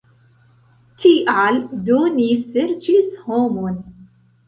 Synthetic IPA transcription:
t̪ʰiːʔʕald̪uːnisɪɾd͡ʒishoːmon

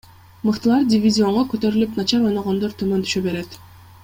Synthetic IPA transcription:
mɯqt̪ɯlˠɑɾdʲɪvʲizʲio̞ɴʁokøt̪ø̞ɾylypnɑt͡ʃɑɾo̞jnoʁo̞nd̪o̞ɾt̪ʰymønt̪ʰyʃøbe̞ɾe̞t̪

